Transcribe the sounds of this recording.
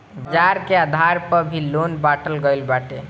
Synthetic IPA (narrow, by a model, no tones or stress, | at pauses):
d͡ʒaɾkead̪ʱaɾpəbʱilonbaʈəlɡəɪlbaʈe